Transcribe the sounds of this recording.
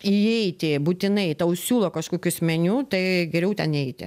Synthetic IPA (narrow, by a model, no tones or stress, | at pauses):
iɛɪt̪ʲɪbuːt̪ʲɪnɐɪt̪ɐʊsʲuːlˠoːkɐʃkoːkʲʊsʲmʲɛnʲuːt̪ɐɪɡʲɛɾʲɛʊt̪ʲɛnɛɪt̪ʲɪ̰